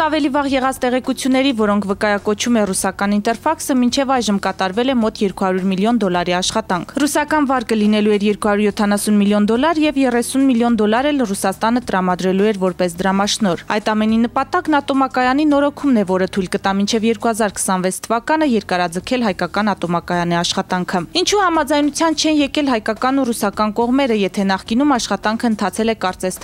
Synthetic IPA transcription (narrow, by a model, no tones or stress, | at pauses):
ɑvɛlivɑʁjɛʁɑt͡st̪ɛʁɛkut͡sʰjunːɛɾivɔɾɔŋkʰvəkɑjɑkɔt͡ʃʰumɛrusɑkɑnint̪ɛɾfɑksəmint͡ʃʰɛvɑjʒəmkɑt̪ɑɾvɛlɛmɔt̪jɛɾkuhɑɾjuɾmiljɔnd̪ɔlɑɾiɑʃχɑt̪ɑŋkʰrusɑkɑnvɑɾkəlinɛluɛɾjɛɾkuhɑɾuɾjɔt̪ʰɑnɑsunmiljɔnd̪ɔlɑɾjɛvjɛrɛsunmiljɔnd̪ɔlɑɾɛlrusɑst̪ɑnət̪əɾɑmɑd̪ɾɛluɛɾvɔɾpɛsd̪əɾɑmɑʃnɔɾɑjt̪ɑmɛninəpɑt̪ɑknɑt̪ɔmɑkɑjɑninɔɾɔkʰumnɛvɔɾət̪ʰujlkət̪ɑmint͡ʃʰɛvjɛɾkuhɑzɑɾkʰə̥sɑnvɛt͡sʰt̪ʰəvɑkɑnəjɛɾkɑɾɑd͡zəkʰɛlɦɑjkɑkɑnɑt̪ɔmɑkɑjɑniɑʃχɑt̪ɑŋkʰəint͡ʃʰuhɑmɑd͡zɑjnut͡sʰjɑnt͡ʃʰɛnjɛkɛlɦɑjkɑkɑnurusɑkɑnkɔʁmɛɾəjɛt̪ʰɛnɑχkinumɑʃχɑt̪ɑŋkʰəənt̪ʰɑt͡sʰɛlɛkɑɾt͡sɛst̪ʰ